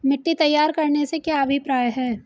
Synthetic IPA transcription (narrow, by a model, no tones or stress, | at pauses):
mɪʈːit̪ɐjːaːɾkɐɾnesekjaɐbʱipɾaːjɦɛː